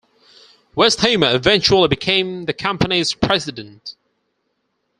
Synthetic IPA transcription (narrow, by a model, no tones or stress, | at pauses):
wɛsthə̃ʊməɪvɛ̃nt͡ʃəəl̩ibɪkʰẽɪ̃mðəkʰʌ̃mpəniz̥pʰɹ̥ɛzɪdə̃nʔ